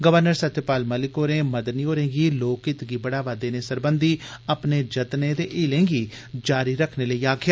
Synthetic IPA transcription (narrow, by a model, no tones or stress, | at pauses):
ɡəʋəɾnəɾsət̪ʃəpaːlməlɪkoːnẽːməd̪niːɦoːɾẽːɡiːloːkɪt̪ɡiːbəɽaːʋaːd̪eːneːsəɾbənd̪iːəpneːd͡ʒət̪neːd̪eːʔɪːlẽːɡiː | d͡ʒaːɾiːɾəkʰneːləiːaːkʰɪjaː